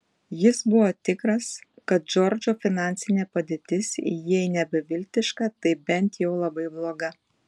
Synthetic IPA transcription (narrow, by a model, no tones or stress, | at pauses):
jɪsbʊʋoːt̪ʲɪkɾɐs | kɐt̪̚d͡ʒɔɾʲd͡ʒoːfʲɪnɑˑnʲt̪sʲɪnʲeːpɐd̪ʲeːt̪ʲɪsḭjɛɪnʲɛbʲɪʋʲɪlʲt̪ʲɪʃkɑt̪ɐɪbʲɛnʲt̪jɛʊlˠɐbɐɪblˠoːɡɐ